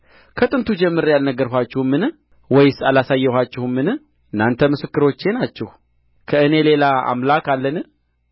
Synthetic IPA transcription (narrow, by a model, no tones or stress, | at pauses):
kʰət̪ʼɨnt̪ʰud͡ʒɛmːɨɾjalnəɡːəɾɦʷat͡ʃːɛhmːɨnɨ | wɔjsalasajːɛhʷat͡ʃːɪhɨmːɨnɨ | ɨnːant̪ʰəmɨsɨkːɨɾo̞t͡ʃːe̞nat͡ʃːɛh | kʰəɨne̞le̞laa̰mlakalːənɨ